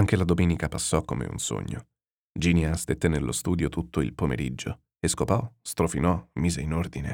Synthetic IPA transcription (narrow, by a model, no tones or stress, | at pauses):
aŋk̟elad̪omeːnikapasːɔkːomḛṵnso̰ɲːo | d͡ʒiːnjast̪et̪ːenelːʔo̰st̪uːd̪jot̪ut̪ːoḭlpomḛɾid͡ʒːo | eskopɔst̪ɾofinɔmːiːzeinord̪ine